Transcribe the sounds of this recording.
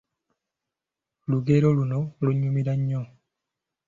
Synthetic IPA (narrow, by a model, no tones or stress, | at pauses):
luɡeɾolunoluɲːumiɾaɲːo